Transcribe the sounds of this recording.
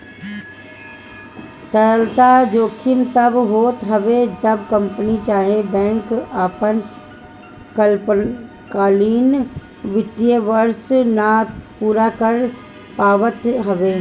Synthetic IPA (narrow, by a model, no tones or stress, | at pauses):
t̪əɾəlt̪ad͡ʒoːkʰɪnt̪əbɦoːt̪ɦəʋed͡ʒɐbkə̃mpnit͡ʃaːɦebɛ̃ːŋkaːpən | kəlp | kaːliːn | ʋɪt̪ijəʋəɾsnapuːɾakəɾ | paːʋət̪ɦəʋeː